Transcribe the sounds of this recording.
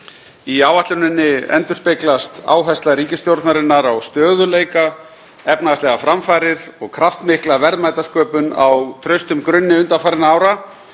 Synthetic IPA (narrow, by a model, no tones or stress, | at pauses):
iaːwat̪lʏnɪnːɪɛ̰nt̪ʏ̥spɪklast̪a̰ːwɦajst̪laɾiːcɪst̪jowɾt̪naɾɪnːaɾawst̪œːðʏlejka | ɛpnaðast̪lɛɣafɾamfaːɾɪɾ̥ɔɣkʰɾaft̪mɪhklavɛɾðmajt̪askœːpʏna̰wt̪ʰɾœɥst̪ʏmkɾʏnːɪʏnt̪afaːɾɪnaːwɾa